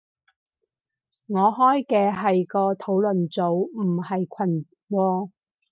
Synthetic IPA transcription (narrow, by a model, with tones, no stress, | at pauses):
ŋɔː˨˧ɦɔː˥jkɛː˧ɦɐ˨jkɔː˧t̪ʰo˨˥wlɵ˨nt͡so˨˥wm̩˨˩hɐ˨jkʷʰɐ˨˩n | wɔː˧